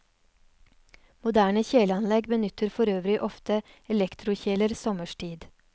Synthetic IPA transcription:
mʊd̪æːɳəçeːləɑnlɛɡbənʏt̪əɾfɔɾøːʋɾɪʔɔft̪ə | ɛlɛkt̪ʰɾʊçeːləɾsɔməʃʈʰiːd̪

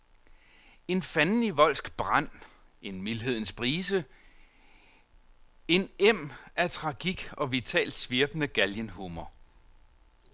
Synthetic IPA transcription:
e̝nfænniʋɒ̽l̰sɡ̥b̥ʁan̰ | e̝nmilɦe̝ð̞̰ˠn̩sb̥ʁiːsə | e̝nem̰æt͡sʰʁɑ̈ɡ̥iɡ̥ɒ̽ʋit͡sʰɛ̰ːld̥sʋiɐb̥ənəɡ̥æljənɦumɐ

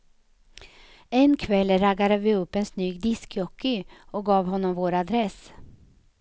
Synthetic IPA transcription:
ɛnkʰvɛlːɾaɡad̪əvɪɵpːɛnsnyːɡd̪ɪskjɔkːɪɔɡɑːvhɔnːɔmvoːɾad̪ɾɛs

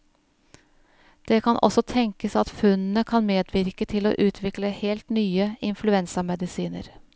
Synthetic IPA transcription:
d̪̥ɛkʰɑnʔɔ̰sɔt̪ʰɛŋkəsɑt̪fʉnnəkʰɑnmeːd̪ʋɪɾkət̪ʰɪlo̰ːʔʉːt̪ʰʋɪkləheːlt̪nyːəɪnflʉɛnsɑmɛd̪ɪsiːnə̰ɾ

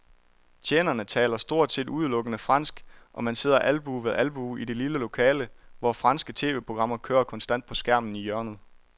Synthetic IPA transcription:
t͡ɕʰeːnɐnət͡sʰɛ̰ːlɐsd̥o̝ɐ̰d̥se̝̰ːduð̞ˠlɔ̽ɡ̥ənəfʁɑ̈n̰sɡ̥ʔɒ̽mænse̝ð̞̰ˠɐʔælb̥uʋeðˠʔælb̥uid̥e̝liləlo̝kʰɛːləʋɒfʁɑ̈nsɡ̥ət͡sʰe̝̰ːʋe̝ːpʰʁo̝ɡ̥ʁɑ̈m̰ɐkʰøːɐkʰɒ̽nsd̥æn̰d̥̚pʰɒ̽sɡ̥æɐ̰mn̩ijœɐnð̞̩ˠ

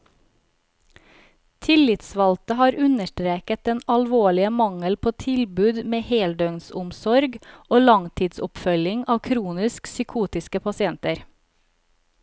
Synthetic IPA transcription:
t̪ʰɪlɪt̪sʋɑlt̪əhɑːɾʉnəʃʈɾeːkət̪̚d̪ɛnɑlʋoːɭɪəmɑŋəlpʰoːt̪ʰɪlbʉːd̪meːheːld̪œŋnsʊmsɔɾɡoːlɑŋt̪ʰiːd̪sʊpfœlɪŋɑːʋkʰɾuːnɪsksʏkʰuːt̪ɪskəpʰɑsɪɛnt̪əɾ

